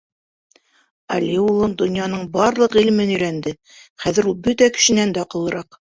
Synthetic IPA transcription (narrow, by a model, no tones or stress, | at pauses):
ɑlʲiulˠɤnd̪ŏnjɑnɤɴbɑɾlˠɤqilɘ̆mɘnɵ̆jɾænd̪ɘ | χæðɘ̆ɾulˠbɵt̪ækɘ̥̆ʃɘ̆nænd̪æoqɤ̆lˠɤ̆ɾɑq